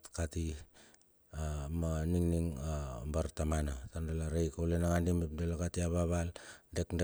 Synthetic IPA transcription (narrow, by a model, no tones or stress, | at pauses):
tkati | maniŋniŋabaɾtamanatandalaɾejkaulenaŋanimep̚delakatiaβaβaldekde